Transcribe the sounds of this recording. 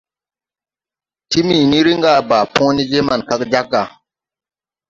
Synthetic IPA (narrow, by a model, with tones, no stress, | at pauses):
ti˦mi˨ni˦ɾi˦ŋɡa˨ba˨põ˦ni˦d͡ʒe˦ma˨nka˦kd͡ʒa˦ɡa˨